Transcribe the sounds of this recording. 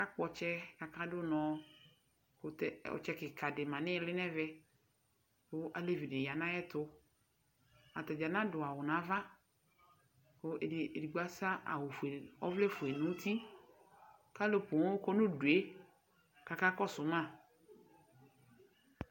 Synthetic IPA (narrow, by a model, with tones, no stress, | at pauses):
ka˦k͡pɔ˨t͡ʃɛ˦ka˨ka˦dʊ˦nɔ̃˨ | kɛ˦ɔ̰˨t͡ʃɛ˦kɪ˨ka˨dɪ˨mã˨nɪ̃˦˨lɪ˦nɛ̃˦vɛ˦ | kʊ˦ʔa˨le˦vi˨dɪ˨ja˨nã˦jɛ˦tʊ˦ | a˨t̪ɛ˨d͡ʒa˨nã˦dʊ˨a˨wʊ˨nã˨˦va˦ | ko˦˨di˨ɡ͡ba˦sa˦ʔa̰˨wʊ˨fe˨ɔ̰˦vlɛ˦fʊ˨e˨nʊ̃˦t̪ʰi˦ | ka˦lo˨po˨ŋ˦kɔ˦nʊ̃˦du˨e˦ | ka˨ka˦kɔ˦sʊ˨mã˦˨